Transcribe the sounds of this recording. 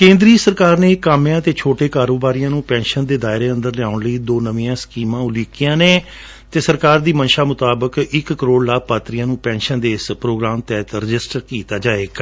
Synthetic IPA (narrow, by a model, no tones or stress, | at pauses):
kẽːnd̪ɾiːsəɾkaːɾneːkaːmjãːt̪eːt͡ʃʰoːʈeːkaːɾoːbaːɾijãːnũːpɛ̃ːnʃənd̪eːd̪aːɪɾeːə̃nd̪əɾlɪaːʊɳləiːd̪oːnəʋĩːãːskiːmãːʊliːkijãːneː | t̪eːsəɾkaːɾd̪iːmənʃaːmʊt̪aːbəkɪkːəɾoːɽlaːpaːt̪ɾɪjãːnũːpɛ̃ːnʃənd̪eːɪspɾoːɡɾaːmt̪ɛːt̪ɾɪd͡ʒɪsʈəɾkiːt̪aːd͡ʒaːeːɡ